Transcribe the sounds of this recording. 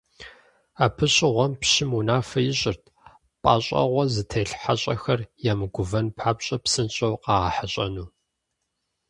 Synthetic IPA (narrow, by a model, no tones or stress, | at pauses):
aːpʰɨɕʼɪʁʷɔmpɕɪmunaːfɐjɪɕʼɪrtʰ | pʼa̰ːɕʼɐ̰ʁʷɔzɨtʰeːɬħaɕʼɐxɐrjaːmɨɡʷʊvɐnpʰħaːpɕʼɐpsɨnɕʼɐwqɑːʁaħaɕʼɐnuː